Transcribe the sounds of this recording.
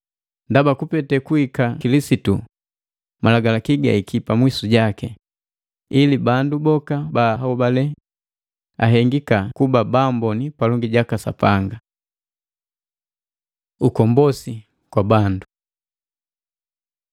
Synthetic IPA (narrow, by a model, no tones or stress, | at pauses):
ndabakupɛtɛkuikakilisitṵ | malaɡalakiɡa̰ikipamwisuɟakɛ | ilibandubɔkabaɦɔbalɛ | a̰ɦɛŋɡikakubabambɔnipalɔŋɡiɟakasa̰paŋɡa | ukɔmbɔsi | kwabandu